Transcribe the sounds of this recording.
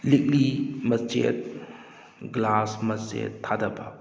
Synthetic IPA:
lik̚limɐt͡ʃḛt̚ | ɡlasmɐt͡ʃḛtʰːadɐpa

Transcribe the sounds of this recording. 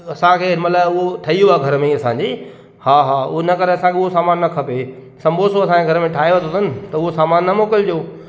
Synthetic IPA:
ɐsãkʰeːmɐt̪laːʊɦoʈʰɐiuaːɡʱɐɾmẽɐsãɲd͡ʑiː | haːɦaːʊɦonɐkɐɾeɐsãkʰeʊosaːmaːnːɐkʰɐpe | sɐ̃mbʱosoɐsãkeɡʱɐɾmẽʈʰaːeʋɐt̪ʰot̪ʊnɪ̆t̪ɐʊɦosaːmaːnːɐmoːkɪld͡ʑoː

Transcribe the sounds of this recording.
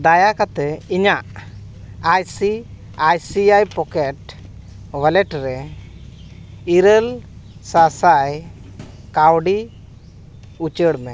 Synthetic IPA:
d̪ajakat̪ɛiɲaʔ | ajsi | ajsiajpɔkɛʈ | wəlɛʈɾɛ | iɾəlsasaj | kawɖi | ut͡ʃəɽmɛ

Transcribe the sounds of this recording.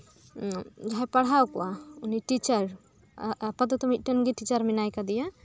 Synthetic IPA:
d͡ʒaɦɛpaɽ̤awkɔwauniʈit͡ʃəɾ | pat̪̬ɔt̪ɔmit̪̚ˀʈənɡiʈit͡ʃəɾmɛnajkad̪ija

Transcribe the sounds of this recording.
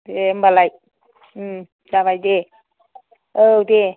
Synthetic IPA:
dembalaj | d͡ʒaβajde | əwde

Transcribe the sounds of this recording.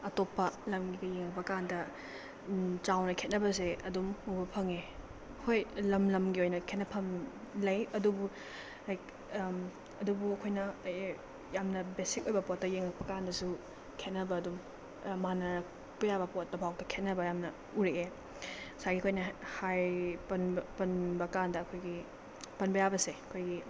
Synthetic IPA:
ɐtopːɐlɐmɡibɐjeŋɐk̚pɐkandɐ | t͡ʃawnɐkʰet̚nɐbɐs̬eɐdumubɐpʰɐŋe | hojlɐmlɐmɡiojnɐkʰet̚nɐpʰɐm | lɐjɐdubu | ajk | ɐdubuɐkʰojnɐ | jamnɐbesik̚ojbɐpot̚tːɐjeŋɐk̚pɐkandɐsu | kʰet̚nɐbɐːdum | manɐɾɐk̚ | pɐjabɐpot̚dɐbʱawtɐkʰet̚nɐbɐjamnɐ | uɾeʔe | saɡiɐkʰojnɐhajpɐnpɐnbɐkandɐːkʰojɡi | pɐnbɐjabɐseɐkʰojɡi

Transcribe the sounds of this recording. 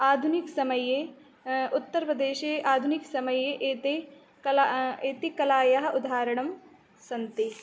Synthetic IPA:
aːd̪ʱunɪksɐməje | ʊt̪ːəɾpɾɐd̪eːʃeʔaːd̪ʱunɪksɐməjeʔeːt̪e | eːt̪ikɐlaːjɐɦɐʊd̪ʱaːɾɐɽ̃ɐm | sɐnt̪i

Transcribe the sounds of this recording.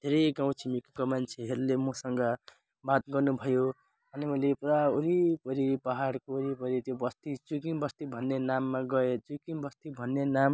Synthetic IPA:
d̪ʱeɾʌjɡaw̃t͡sʰimikkomant͡sʰeɦeɾulemʌsʌŋɡʌ | bat̪̚ɡʌrnubʱʌjo | ʌnimʌlepraoɾipʌɾipʌɦaɽkoːɾipʌɾit̪jobʌst̪it͡sukiŋbʌst̪ibʱʌnːenamːaɡʌet͡sukiŋbʌst̪ibʱʌnːenam

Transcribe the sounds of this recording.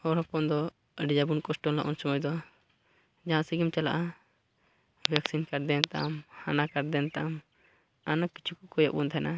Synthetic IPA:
ɔɾɔpɔnd̪ɔ | əɖid͡ʒabunkɔsʈɔnla̰ʔunsɔmɔjd̪ɔ | d͡ʒaɦãsiɡimt͡ʃalaʔa | bʱaksinkaɽd̪ɛnt̪a̰ʔmhanakaɾd̪ɛnt̪aʔam | anaki̥t͡ʃʰukɔkɔja̰ʔbunt̪ʰaɛnʔa

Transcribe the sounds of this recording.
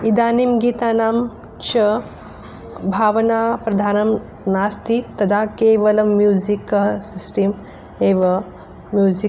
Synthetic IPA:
id̪aːnimɡiːt̪aːnaːm | t͡ʃɐ | bʱaːʋɐnaːpɾɐd̪ʱaːnɐm | naːst̪it̪ɐd̪aːkeːʋɐlɐmːjuːzikɐɦsisʈim | eːʋɐ | mjuːzi

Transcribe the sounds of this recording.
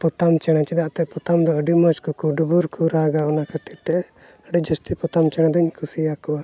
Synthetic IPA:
pɔt̪amt͡ʃɛɽ̃at͡ʃid̪aʔt̪ɛpɔt̪amd̪ɔəɖimɔt͡ʃkɔkɔɖubuɾkʰuɾaɡaɔnakʰat̪iɾt̪ɛʔ | əɖid͡ʒəst̪ipɔt̪amt͡ʃɛɽ̃ad̪ɔɲkʰusijakɔwa

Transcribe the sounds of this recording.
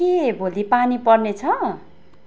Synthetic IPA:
kebʱolipanipʌrnet͡sʰʌ

